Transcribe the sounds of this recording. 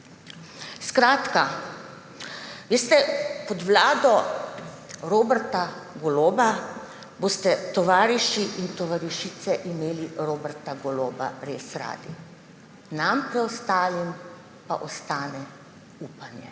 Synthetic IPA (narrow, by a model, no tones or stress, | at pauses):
skɾaːt̪ka | ʋeːst̪ɛpɔd̪ʋlaːd̪ɔ | ɾoːbɛɾt̪aɡɔloːba | bost̪ɛt̪ɔʋaːɾiʃiʔint̪ɔʋaɾiʃit̪sɛʔimeːliɾoːbɛɾt̪aɡɔloːba̰ɾeːsɾa̰ːd̪i | nampɾɛɔst̪aːlim | paʔɔst̪aːnɛ | uːpanjɛ̰